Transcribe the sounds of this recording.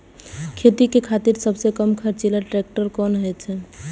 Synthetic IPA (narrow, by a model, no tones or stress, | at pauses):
kʰet̪ikekʰat̪iɾsəbʱsekəmkʰəɾt͡ʃelaʈɾek̚ʈəɾkɔnɦɔjt͡ʃʰɛ